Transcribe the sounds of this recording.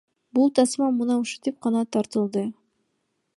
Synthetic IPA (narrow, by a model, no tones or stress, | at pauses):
bulˠt̪ɑsmɑmunɑuʃu̥t̪ip̚qɑnɑt̪ɑɾt̪ɯlˠd̪ɯ